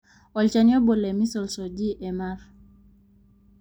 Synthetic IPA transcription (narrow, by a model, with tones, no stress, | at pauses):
ɔlt͡ʃaniɔ˦bɔ˨lɛ˨mi˦sɔ˨lsɔd͡ʒi˦ʔɛ˨maɾ